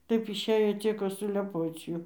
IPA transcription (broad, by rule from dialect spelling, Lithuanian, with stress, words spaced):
ˈtɐɪp ɪʃʲˈeːjoː ˈt͡sʲiɛkoː sʊlʲɛˈpoːt͡s ˈjuː